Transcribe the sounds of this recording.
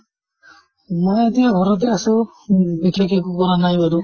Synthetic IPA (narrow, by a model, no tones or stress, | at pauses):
mɔjet̪ijaɡʱɔɾɔt̪easɔ | bikʰekʰekukɔɾanajbaɾu